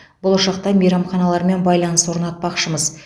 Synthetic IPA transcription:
bolˠʊʃɑqt̪ɑmejɾɑmχɑnɑlˠɑɾme̞nbɑjlˠɑnəswo̞ɾnɑt̪̚pɑqʃəməz

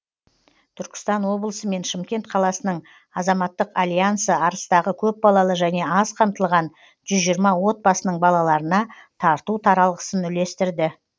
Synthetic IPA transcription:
t̪ʰʏɾkʲɪ̥st̪ɑnwo̞blˠəsəme̞nʃɪmkʲe̞nt̪qʰɑlˠɑsənəɴ | ɑzɑmɑt̪ːəqalʲjansəɑɾəst̪ɑʁəkʲʰɵp̚bɑlˠɑlˠəʒæne̞ɑzqʰɑmt̪əlˠʁɑn | ʒ̥ʏzʒijəɾmɑwo̞t̪̚bɑsənəɴbɑlˠɑlˠɑɾənɑt̪ʰɑɾt̪ut̪ʰɑɾɑlˠʁəsənʏle̞st̪ɪɾd̪ɪ

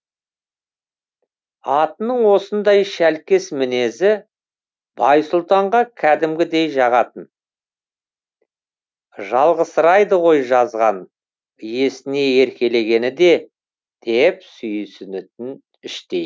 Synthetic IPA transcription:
ɑt̪ənəɴwo̞sənd̪ɑjʃælkʲɪsmɪne̞zɪ | bɑjsʊlˠt̪ɑɴʁɑkʲʰæd̪ɪmɡʲɪd̪e̞jʒɑʁɑt̪ən | ʒɑlˠʁəsəɾɑjd̪əʁo̞jʒɑzʁɑn | je̞sɪne̞e̞ɾkʲe̞le̞ɡʲe̞nɪd̪e̞ | d̪̥e̞psʏjsɪnʏt̪ɪn | ɪʃt̪e̞j

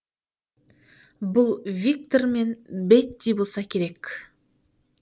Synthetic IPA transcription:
bʊlˠvʲik̚t̪o̞ɾme̞nbet̪ːejbolˠsɑkʲʰe̞ɾe̞kʲ

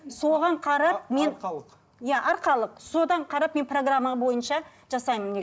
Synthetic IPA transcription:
so̞ʁɑɴqʰɑɾɑp̚me̞n | jaʔɑɾqɑlˠəqso̞d̪ɑɴqʰɑɾɑpme̞npro̞ɡramːaʁbo̞jənʃɑ | ʒɑsɑjməne

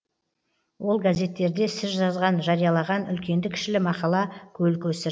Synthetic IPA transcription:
wo̞lˠɡaze̞t̪ːe̞ɾd̪e̞sɪzʒɑzʁɑnʒɑɾijɑlˠɑʁɑnʏ̰lkʲe̞nd̪ɪkʲʰɪ̥ʃɪlɪmɑqɑlˠɑkʲʰɵlkʲɵsɪ

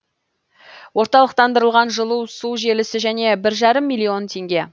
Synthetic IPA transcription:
wo̞ɾt̪ɑlˠəq̚t̪ɑnd̪əɾəlˠʁɑnʒəlˠuwsuʒe̞lɪsɪʒæne̞bɪɾʒɑɾəmːijlʲˠːio̞nt̪ʰe̞ŋɡʲe̞

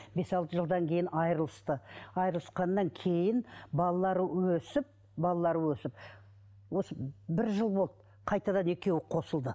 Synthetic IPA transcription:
be̞sɑlˠt̪əʒəlˠd̪ɑŋkʲʰe̞jɪnɑjɾəlˠəst̪əɑjɾəlˠəsqɑnːɑŋkʲʰe̞jɪnbɑlˠɑlˠɑɾəwɵsɪp̚ | bɑlˠɑlˠɑɾəwɵsɪp̚ | wo̞səbɪɾʒəlˠbo̞lˠd̪ə | qʰɑjt̪ɑd̪ɑne̞kʲe̞wɪqʰo̞səlˠd̪ə

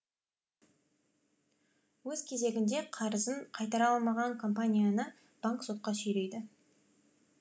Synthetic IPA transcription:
wɵz̥kʲʰe̞ze̞ɡʲɪnd̪e̞qʰɑɾəzəɴqʰɑjt̪ɑɾɑlˠmɑʁɑŋkʰo̞mpanʲijanə | b̥aŋkso̞t̪̚qɑsɵjle̞jd̪ɪ

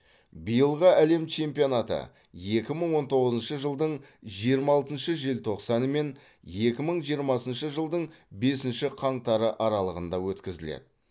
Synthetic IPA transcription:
bijəlˠʁəæle̞mt͡ʃʰe̞mpijo̞nat̪ə̰ | je̞kʲɪməɴwo̞nt̪ʰo̞ʁəzənʃəʒəlˠd̪əɴʒijəɾmɑlˠt̪ənʃəʒelt̪ʰo̞qsɑnəme̞n | je̞kʲɪməɴʒijəɾmɑsənʃəʒəlˠd̪əɴ | be̞sɪnʃɪqʰɑɴt̪ɑɾəʔɑɾɑlˠəʁənd̪ɑwɵt̪kʲɪzɪlḛd̪ɪ

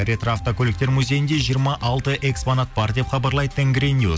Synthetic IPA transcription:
ɾet̪ɾaft̪okʲʰɵlɪk̚t̪e̞ɾmuzʲe̞jɪnd̪e̞ʒijəɾmɑʔɑlˠt̪əʔe̞ksponat̪̚bɑɾd̪e̞pχɑbɑɾlˠɑjd̪ət̪ʰeŋɡɾeniu

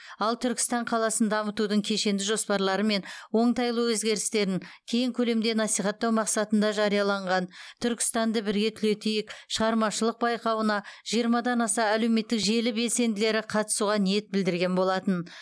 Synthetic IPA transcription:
ɑlˠt̪ʰʏɾkʲɪ̥st̪ɑɴqʰɑlˠɑsənd̪d̪ɑmət̪ud̪əɴkʲʰe̞ʃe̞nd̪ɪʒospɑɾlˠɑɾəme̞nwo̞ɴt̪ɑjlˠəwɵzɡʲe̞ɾɪst̪e̞ɾɪŋkʲʰe̞jɪŋkʲʰɵle̞md̪e̞nɑsijχɑt̪ːɑwmɑqsɑt̪ənd̪ɑʒɑɾijɑlˠɑɴʁɑnt̪ʰʏɾkʲɪ̥st̪ɑnd̪əbɪɾɡʲe̞t̪ʰʏle̞t̪ejɪkʃəʁɑɾmɑʃəlˠəq̚bɑjqɑwənɑʒ̥ijəɾmɑd̪ɑnɑsɑæle̞wme̞t̪ːɪkʒe̞lɪbe̞lse̞nd̪ɪle̞ɾɪqʰɑt̪ə̥suʁɑnije̞t̪̚bɪld̪ɪɾɡʲe̞nbo̞lˠɑt̪ən

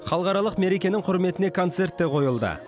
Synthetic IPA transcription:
χɑlˠəʁɑɾɑlˠəqme̞ɾekʲe̞nɪŋqʰʊɾme̞t̪ɪne̞kʰo̞nt̪se̞rt̪ːeqʰo̞jəlˠd̪ə̰

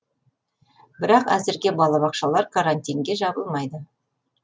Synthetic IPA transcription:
bɪɾɑqæzɪɾɡʲe̞bɑlˠɑβɑqʃɑlˠɑɾkʰaɾanʲt̪ʲijŋɡʲe̞ʒɑbəlˠmɑjd̪ə

